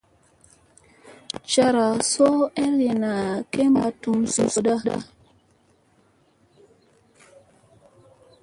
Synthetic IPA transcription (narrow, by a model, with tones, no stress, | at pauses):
t͡ʃa˨ɾa˨so˦ɛ˦le˨na˨ke˦ma˨tu˨msu˨so˨da˦da̰˦